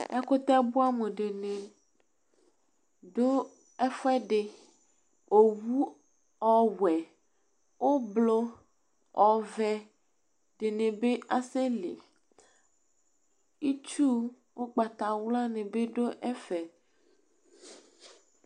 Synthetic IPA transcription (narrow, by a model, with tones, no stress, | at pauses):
a˦ko˦t̪ɛ˦bu˦a˦me˨ɖe˨ne˨ | ɖo˦ | ɛ˦fɛ˦ɖe˨ | o˨wu˦ | ɔ˨wɛ˨ | wʔo˦blo˦ | ɔ˨vɛ˨ | ɖe˨nẽ˨be˦ʔa˦se˦lḛ˨ | i˦t͡ʃu˦ | wo˦ɡ͡ba˨t̪a˨wla˦nẽ˨be˦ɖo˦ʔɛ˦fɛ˨